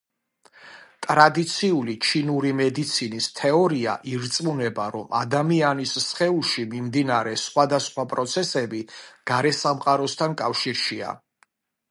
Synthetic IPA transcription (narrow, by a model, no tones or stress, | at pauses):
t̪ʼɾad̪it̪sʰiulit͡ʃʰinuɾimɛd̪it̪sʰinist̪ʰɛɔɾia̰ʔiɾt̪sʼmunɛbaɾɔmad̪amianissχɛulˠʃimimd̪inaɾɛsχwad̪asχwapʼɾɔt̪sʰɛsɛbiɡ̥aɾɛsamqʼaɾɔst̪ʰankʼafʃiɾʃia̰